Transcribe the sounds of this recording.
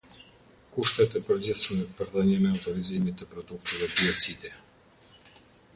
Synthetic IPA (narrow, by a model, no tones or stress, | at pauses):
kuʃt̪ɛt̪əpəɾd͡ʑiθʃəmɛpəɾðəɲɛmɛuwt̪ɔɾizimit̪əpɾɔd̪ukt̪ɛvɛbiɔt͡sid̪ɛ